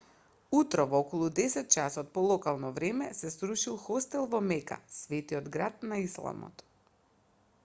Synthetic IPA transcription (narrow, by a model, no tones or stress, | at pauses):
ut̪ɾɔvɔkɔlˠud̪ɛsɛt̪̚t͡ʃasɔt̪̚pɔlˠɔkalˠnɔvɾɛmɛsɛsɾuʃilˠxɔst̪ɛlˠvɔmɛka̰svɛt̪iɔd̪ɡɾat̪̚naislˠa̰mɔ̰t̪